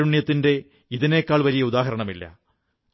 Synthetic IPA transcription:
ɾuɳjɐt̪ːinde̞ | iðine̞ːkːaːɭʋɐɾijɐuðaːɦɐɾɐɳɐmilːɐ̰

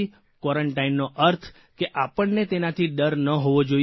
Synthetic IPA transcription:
i | kwɔɾəɳʈainːoʔəɾt̪ʰ | keʔapəɳnet̪enat̪ʰiɖəɾnəɦoʋod͡ʒo

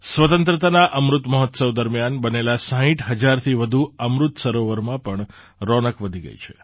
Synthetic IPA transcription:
sʋət̪ə̃nt̪ɾət̪anaʔəmɾut̪məɦɔt̪səwd̪əɾmjanbənelasə̃ɦĩʈʰɦəd͡ʒaɾt̪ʰiʋəd̪ʱuəmɾut̪səɾoʋəɾmãpəɳ | ɾɔnəkʋəd̪ʱiɡə̰jt͡ʃʰe

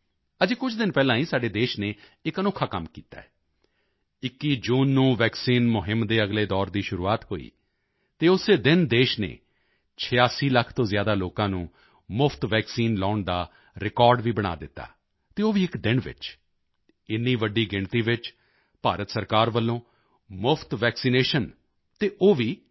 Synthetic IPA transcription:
əd͡ʒeːkʊt͡ʃʰd̪ɪnpɛːlãːĩːsaːɖeːd̪eːʃneː | ɪkənɔːkʰaːkəmkiːt̪a̰ːɛː | ɪkːiːd͡ʒuːnːũːʋɛːksiːnmʊɦɪmd̪eːəɡleːd̪ɔːɾd̪iːʃʊɾṵːaːt̪ɦo̰ːḭː | t̪eːʊseːd̪ɪnd̪eːʃnḛː | t͡ʃʰɪjaːsiːləkʰt̪õːzɪjaːd̪aːloːkãːnũː | mʊpʰt̪ʋɛːksiːnlaːʊɳd̪aː | ɾɪkɔːɾɖʋiːbəɽ̃a̰ːd̪ɪt̪ːa̰ː | t̪eːoːʋiːɪkd̪ɪnʋɪ̰t͡ʃ | ɪnːiːʋəɖiːɡɪɳt̪iːʋɪt͡ʃ | paːɾət̪səɾkaːɾʋəlːõː | mʊpʰt̪ʋɛːksineːʃən | t̪eːʔoːʋiː

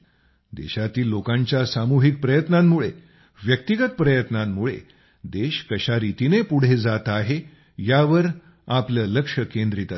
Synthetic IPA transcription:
d̪ḛɕat̪iːlːokãɲt͡ɕjasamuɦik̚pɾəjət̪namːuɭe | ʋjək̚t̪iɡət̪̚pɾəjət̪namːuɭḛ | d̪eɕkəɕaɾit̪inepuɽ̤ed͡zat̪aɦe | jaʋəɾ | apləːləkʂəkend̪ɾit̪a

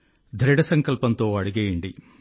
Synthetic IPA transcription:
d̪ʱɾɐɽɐsɐŋkɐlpɐnt̪oːɐɽuɣɐjeːɳɖi

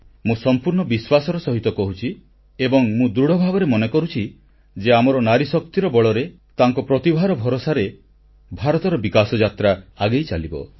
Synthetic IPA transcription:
mũsɔmpuɾɳɔbiswasɔɾɔsɔɦit̪ɔkɔɦut͡ʃʰi | ebɔŋmũd̪ɾuɽ̤ɔbʱabɔɾemɔnekɔɾut͡ʃʰi | d͡ʒeamɔɾɔnaɾisɔk̚t̪iɾɔbɔɭɔɾe | t̪aŋkɔpɾɔt̪ibʱaɾɔbʱɔɾosaɾe | bʱaɾɔt̪ɔɾɔbikasɔd͡ʒat̪ɾaaɡejt͡ʃalibɔ̰

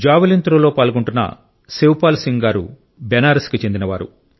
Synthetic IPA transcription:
d͡ʒaːʋilint̪ɾoloːpaːlɡuɳʈunːɐ̰ | sewpaːlsiŋɡaːɾṵ | bɛnaːɾiskit͡ʃe̞nd̪inɐʋaːɾṵ

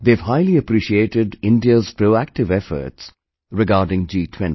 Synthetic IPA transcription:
d̪eːʋɦaɪliəpɾiːʃieːʈɪɖɪ̃nɖiəzpɾoːæk̚ʈɪʋɛfə̰ɾʈs | ɾɪɡaːɾɖɪ̃ŋd͡ʒiːʈʰwɛ̃ni

